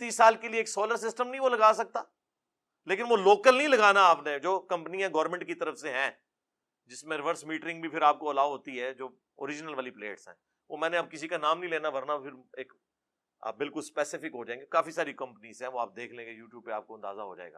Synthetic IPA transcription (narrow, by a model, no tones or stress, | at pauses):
t̪iːsːaːlkelieːksoːləɾsɪsʈəmnɐɦĩʋolɐɡaːsɐk̚t̪a̰ː | leːkɪnʋoloːkəlnɐĩlɐɡaːnaaːpned͡ʒoːkɐ̃mpnijãɡɔːɾmɛ̃ɳʈ̚kit̪ɐɾəfseɦɛ̃ː | d͡ʒɪsmẽɾɪʋəɾsmiːʈɾɪ̃ŋɡbʱipʰɪɾaːp̚koɐlaːʋɦoːt̪iɦɛd͡ʒoː | o̰ːɾɪd͡ʒnəlʋaːliplḛːʈsɦɛ̰̃ː | ʋoːmɛ̃ːneɐb̚kɪsikanaːmnĩleːnaʋɐɾnapʰɪɾeːk | a̰ːbɪlkʊlspɛːsɪfɪkɦod͡ʒaːẽːŋɡekaːfisaːɾikɐ̃mpənizɦɛ̃ːʋoaːp̚d̪eːkʰlẽŋɡejuːʈjuːb̚pea̰ːp̚koɐ̃nd̪a̰ːza̰ɦo̰d͡ʒa̰ːḛːɡa̰